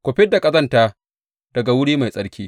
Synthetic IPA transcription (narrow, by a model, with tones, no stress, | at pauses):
kʷʊ˨ɸɪ˦dːa˨kʼɐ˦zɐ˦ntaː˦ | d̥ɐ˨ɡa˨wʊ˦ɽiː˦ma˨jsʼɐ˦ɽkʲiː˦